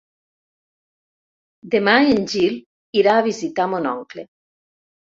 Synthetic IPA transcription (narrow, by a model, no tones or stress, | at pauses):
d̪emaenʲd͡ʒil | iɾaːβizit̪amonɔŋklḛ